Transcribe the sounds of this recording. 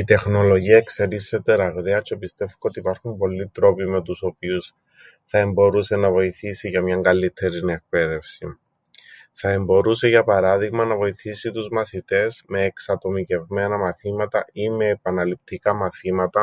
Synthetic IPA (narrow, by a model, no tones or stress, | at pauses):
it̪e̞xno̞lo̞ʝiɐekseɾisːet̪eɾɐɣɾeɐt͡ʃopist̪e̞ftko̞t̪iːpɐɾxumpo̞lːit̪ɾo̞pime̞t̪uso̞pius | θɐe̞mbo̞ɾuse̞nɐvo̞iθisiʝɐmɲɐŋɡɐlit̪ʰːe̞ɾinek̚pe̞ðe̞fsi | θɐe̞mbo̞ɾuse̞ʝɐpɐɾɐðiɣmɐnɐvo̞iθisit̪uzmɐθit̪e̞zme̞ːksɐt̪o̞mice̞vme̞nɐmɐθimɐt̪ɐime̞ːpɐnɐlip̚t̪ikɐmɐθimɐt̪ɐ